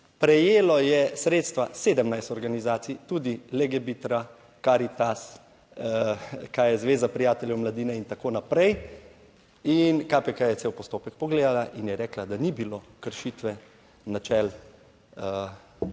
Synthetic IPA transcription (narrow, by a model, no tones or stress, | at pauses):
pɾɛjeːlɔjɛsɾeːt̪st̪ʋaseːd̪əmnajst̪ɔɾɡanizaːt̪sijt̪uːd̪ilɛɡɛbit̪ɾa | kaɾit̪as | kajɛzʋeːzapɾijaːt̪ɛljɛwmlad̪iːnɛint̪akoːnapɾɛj | inkapɛkajɛsewpɔst̪oːpɛk̚pɔɡleːd̪alaʔinjɛɾɛːklad̪anibilokəɾʃit̪ʋɛ | nat͡ʃɛl